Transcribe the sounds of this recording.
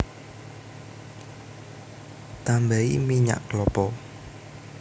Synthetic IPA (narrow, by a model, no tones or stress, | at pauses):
t̪ambaimiɲa̰ʔklɔpɔ